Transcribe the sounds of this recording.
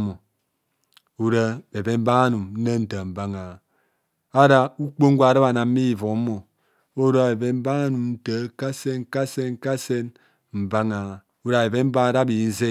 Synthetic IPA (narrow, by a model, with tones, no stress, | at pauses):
mo˨ | u˦ɾa˦be˨be˦m̩˦ba˦a˦nu˨mn̩˦nə˦n̩˦tə˨m̩˨ba˦ŋa˨a˨ | a˦ɾa˦u˦k͡po˦ŋ̩˦ɡʷa˨ɾa˦ba˨na˨m̩˦i˦i˨vo˨˦mo˨ | o˦ɾa˦a˨e˨be˦m̩˦ba˦a˦nu˨mn̩˦tə˨˦ka˦se˦n˦ka˦se˦nŋ̩˦ka˦se˦n | m̩˨ba˦ŋa˨a˨ | u˦ɾa˨be˨be˦m̩˦ba˦ɾa˦bi˨n̩˦ze˦